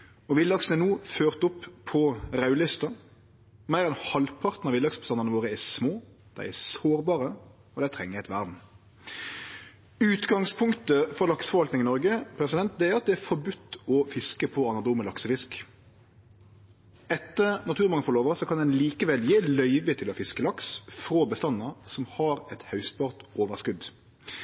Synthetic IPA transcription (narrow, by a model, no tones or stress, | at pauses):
ɔʋɪlɑksnɛnuːføːʁt̪ʊpʰːɔʁɑʉlɪst̪ɑ | mæɪɾɛnhɑlpʰɑʁt̪n̩ɑʋɪlɑksbəst̪ɑnənəʋoːʁəæsmoː | d̪̥æ̰ɪɛsoːɾbɑːʁə | ɔd̪æɪt̪ʰʁɛŋːəɛɪt̪ʋæʁd̪n̩ | ʉːt̪ɡɑŋspʰʊŋkt̪əfɔɾlɑksfɔɾʋɑlt̪nɪŋɪnɔɾɡəpʰɾɛsɪd̪ɛnt̪̚d̪ɛæɾɑt̪̚d̪ɛæɾfɔɾbʉt̪ːɔfɪskəpʰɔɑnɑd̪uːməlɑksəfɪsk | ɛt̪ːənɑt̪ʰʉːmɑŋəfɔʁloːʋəsɔkʰɑnd̪ɛnliːkəʋɛljeːlœʏʋət̪ʰɪlɔfɪskəlɑksfɾoːbəst̪ɑnːɑɾsɔmhɑɾɛt̪hœʉs̚bɑːʁt̪ʔoːʋəʁskʉd̪